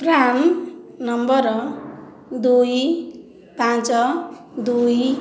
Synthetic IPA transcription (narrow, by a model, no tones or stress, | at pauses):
prannʌmbʌɾʌ | d̪uj | pãt͡sʌ | d̪uj